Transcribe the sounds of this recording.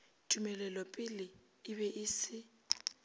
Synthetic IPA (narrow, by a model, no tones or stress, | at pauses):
tʰʼumɛlɛlɔpʼɪlɪː | βɛʔɪːsɪ